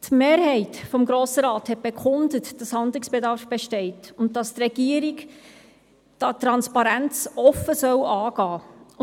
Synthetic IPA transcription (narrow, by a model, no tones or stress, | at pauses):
tmeːɾhɛɪtfɔmɡɾoːsəɾɑːthɛt̚b̥ekχʊndətd̥ɑshɑndlɪksb̥edɑɾfb̥eʃtɛɪtʊntd̥ɑst̪rɛɡ̥iəɾik | d̥ɑtɾɑnspɑɾænt͡sɔfəsœwɑːɡ̥ɑː